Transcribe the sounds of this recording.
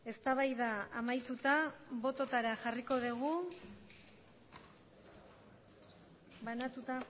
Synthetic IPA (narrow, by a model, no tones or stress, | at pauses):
e̞st̪aβajðaːmajt̪ut̪aβo̞t̪ot̪aɾaʝariko̞ðeɣ̞u | βanat̪ut̪a